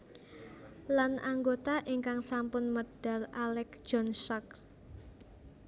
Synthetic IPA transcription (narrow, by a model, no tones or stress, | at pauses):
lanʔaŋɡot̪aʔiŋkaŋsampʊnməd̥a̤lalɛk̚d͡ʒ̥ɔnsɔk̚